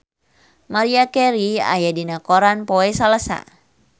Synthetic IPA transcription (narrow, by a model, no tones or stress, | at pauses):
maɾiakɛɾia̰jadinakoɾanpoɛsalasa̰